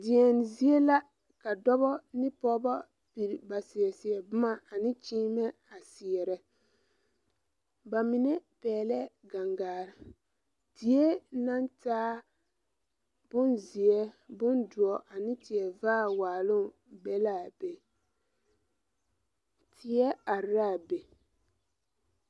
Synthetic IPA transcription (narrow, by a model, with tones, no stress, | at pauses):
dɪ˨ɛ˨n˨zi˦ɛ˦la˦ | ka˨dɔ˦bɔ˦nɪ˦pɔ˦ba˦ | pi˨ɾba˨si˨ɛ˨si˨ɛ˨bʊ˦ma˦a˨nɪ˦t͡ʃiː˦mɛ˦ | a˨si˨ɛ˨ɾɛ˨ | ba˨mɪ˨nɛ˦pɛː˨lɛ˦ɡa˨ŋɡaː˨ɾɪ˨ | di˨ɛ˦na˦ntaː˦ | b̥ʊ˦nzi˨ɛ˦bʊ˦ndʊ˨ɔ˨ʔa˨nɪ̃˦tɪ˨ɛ˨vaː˦waː˨lʊ˦ | bɛ˦la˦˨be˨ | tɪ˨ɛ˦a˨ɾaː˦˨be˨